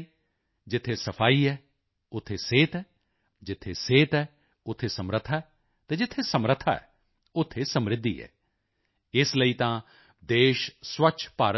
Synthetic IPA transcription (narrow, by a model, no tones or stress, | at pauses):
d͡ʒɪt̪ʰːeːsəpʰaːiːɛː | ʊt̪ʰːeːseːt̪ɛː | d͡ʒɪt̪ʰːeːseːt̪ɛː | ʊt̪ʰːeːsəmɾət̪ʰːaɛː | t̪ɛ̃ːd͡ʒɪt̪ʰːeːsəmɾət̪ʰaːɛ̰ː | ʊt̪ʰːeːsəmɾɪd̪ːḭːɛ̰ː | ɪsləiːt̪ãː | d̪eːʃswəʃʰpaːɾə